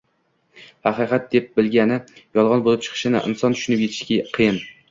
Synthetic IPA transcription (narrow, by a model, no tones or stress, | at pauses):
hɑqɨqʰɑt̪̚d̪e̞p̚bɪlɡʲanɪjɒlˠʁɑnbolˠɪp̚t͡ʃʰɨ̥qʰɨ̥ʃɪnɪ̰ʔɪ̰nsɒnt̪ʰʊ̥ʃʊnɪpje̞t̪ʰɪ̥ʃkʲaqʰɨjɪn